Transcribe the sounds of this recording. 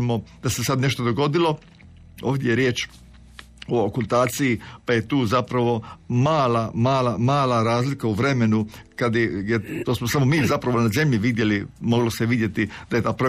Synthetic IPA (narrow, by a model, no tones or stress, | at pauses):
mo̞d̪asesad̪ne̞ʃt̪od̪oɡo̞d̪ilo̞ | o̰ːʋd̪jejeɾje̞ːt͡ʃ | ookulˠt̪aːt̪sijipaje̞t̪uːzapɾaʋo̞maːlamaːlamaːlaɾaːzlikauʋɾe̞me̞nukad̪jejet̪osmosamomiːzapɾaʋonaze̞mʎiʋid̪je̞limo̞ɡloseʋid̪je̞t̪id̪aje̞t̪aːpɾo